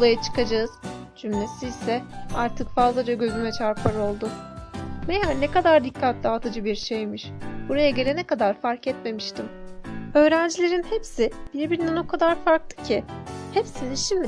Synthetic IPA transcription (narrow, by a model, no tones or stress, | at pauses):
olˠajat͡ʃʰɯ̥kad͡ʒaɯz̥d͡ʒynːesiːsɛaɾt̪ʰɯkfazlˠad͡ʒaɟø̞zymɛt͡ʃʰaɾpʰaɾo̞lˠd̪ʊ | mejanːekad̪aɾd̪ikʰːat̪lʲiat̪ʰad͡ʒɯbiɾʃejmiʃb̥uɾajaɟe̞lʲenɛkad̪aɾfaɾcɛt̪me̞miʃt̪ʰimø̞ːɾænd͡ʒilʲe̞ɾinhepsɪb̥iɾbiɾinɛno̞kʰad̪aɾfaɾklˠɯ̥cʰihepsininʃimd̪